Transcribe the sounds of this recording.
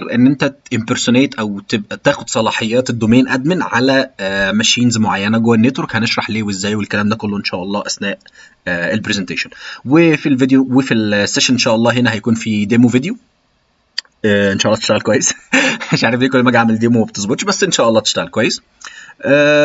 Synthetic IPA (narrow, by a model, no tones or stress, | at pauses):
rˤʔenːʔent̪æʔempeɾsoneːt̪ʔæwt̪ebʔæt̪æːxod̪sˤɑlɑːħejːæːt̪ed̪ːomæːnʔæd̪mænʕalæmæʃiːnzmoʕajːænæɡoːænːet̪wɾokhæneʃɾˤɑħleːweʔezːæːjwelkælæːmd̪æːkolːoʔenʃæːʔɑlˤːɑ̰ːʔæsnæːʔ | elpɾezent̪eːʃonwefilved̪ejowefilsːeʃænʔenʃæːʔɑlˤːɑːɦenæhæjækuːnfid̪eːmoved̪ejo | æːʔenʃæʔlːɑt̪eʃt̪æɣælkwæjːesæʃʕaɾefd̪iːkolːmæɡʕameld̪eːmomæbt̪ezˤbot̪ʃbæsːʔenʃæːʔɑlˤːɑːt̪e̥ʃt̪æɣælkowæjːes | ʔæ